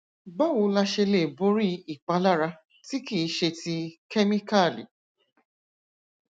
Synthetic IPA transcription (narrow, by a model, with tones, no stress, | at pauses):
ɡ͡ba˦˨wu˧˦la˧ʃe˧le˨bo˦ɾi˦i˨k͡pa˨˦la˦ɾa˧ | ti˦ki˦˨˦ʃe˧ti˧kɛ˦mi˦ka˦˨lḭ˨